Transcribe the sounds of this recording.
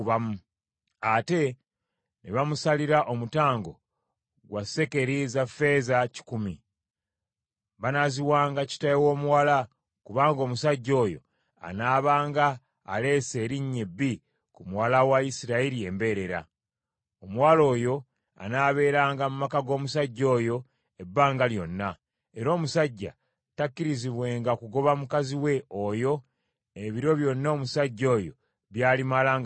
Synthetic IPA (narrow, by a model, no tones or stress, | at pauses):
βamu | ate̞ | neβamusaliɾaʔo̞mutaːŋɡo̞̰ | ɡwase̞ke̞ɾizafe̞ːzaci̥kumi | βanaziwaːŋɡaci̥tajewo̞ːmuwala | kuβaːŋɡomusaɟːo̞ːjo̰ | a̰naːβaːŋɡaː | le̞ːse̞ːɾiɲːebːi | kumwaːlawaisiɾaiɾie̞mbe̞ːɾe̞ɾa̰ | omwaːlo̞ːjo̞ | a̰naːβe̞ːɾaːŋɡamumakaɡo̞ːmusaɟːo̞ːjo̞ | ebːaːŋɡaljo̞nːa | e̞ɾo̞ːmusaɟːa̰ | takːiɾiziβwe̞ːŋɡakuɡo̞βamukaziwe̞ojo̞ | eβiɾo̞βjo̞nːaːmusaɟːo̞ːjo̞̰ | βjaːlimalaːŋ